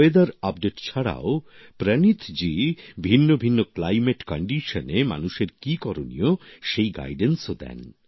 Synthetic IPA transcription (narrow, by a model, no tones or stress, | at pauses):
ed̪aɾap̚ɖeʈt͡ɕʰaɽa̰o | pɾɛnit̪ʰd͡ʑibʱinːobʱinːoklajmeʈkɔɳɖiʃonema̰nuʃeɾkikɔɾonḭoʃejɡa̰jɖensod̪ɛ̰n